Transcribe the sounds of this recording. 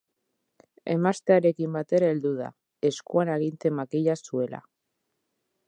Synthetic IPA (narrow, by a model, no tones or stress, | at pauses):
ḛmast̪eaɾekimbat̪eɾeld̪uð̞a̰ | eskuanaɣint̪e̞makiʎasuela̰